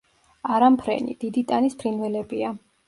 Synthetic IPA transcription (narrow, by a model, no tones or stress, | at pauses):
aɾampʰɾɛ̰nḭd̪̥id̪it̪ʼanispʰɾinvɛlɛbia